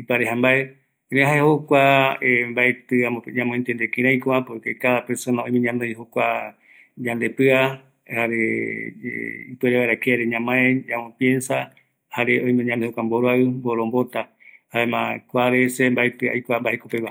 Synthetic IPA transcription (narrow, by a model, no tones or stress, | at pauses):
ipaɾeɦambae | ɾẽɦaehokʷaembaet̪ɨaɲãmõẽnt̪end̪ekĩɾ̃ãjkoapoekekaðapeɾsonaõjmẽɲãnd̪ɨjhokʷa | ɲand̪e̞pɨa | haɾḛ | ipeɾeβaeɾakeaɾeɲãmãeamõpjensa | haɾeõj̃mẽɲãnd̪ehokʷamboɾoaɨmboɾombo̞t̪a | haemãkʷaɾesembaet̪ɨa̰jkʷambahekopeβa